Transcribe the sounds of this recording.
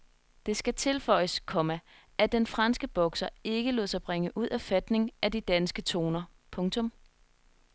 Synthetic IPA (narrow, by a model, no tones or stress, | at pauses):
d̥e̝sɡ̥æt͡sʰe̝lfɒ̽ɪ̰əskʰɒ̽mæ | ʔæd̥enfʁɑ̈nsɡ̥əb̥ɒ̽ɡ̥sɐe̝ɡ̥əloð̰ˠsɑ̈ɪb̥ʁeŋəʔuð̰ˠæfæd̥ne̝ŋæd̥id̥ænsɡ̥ət͡sʰo̝̰ːnɐ | pʰɔ̽ŋt͡sʰɔ̽m